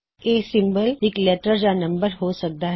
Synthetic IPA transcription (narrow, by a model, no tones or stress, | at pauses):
eːsɪ̃mbəlɪklɛːʈəɾd͡ʒanɐ̃mbəɾɦosɐk̚d̪aɦ